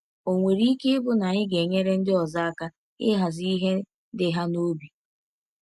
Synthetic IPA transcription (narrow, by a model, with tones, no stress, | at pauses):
o˨ŋʷe˨ɾi˦ke˦ɪ˦bʊ˦na˨ɲɪ˦ɡe˨ɲe˦ɾe˦n̩˦dɪ˦ɔ˨za˦a˦ka˦ | ɪ˦ɦa˨zi˦i˦ɦe˦ | dɪ˦ɦa˦no˦bi˨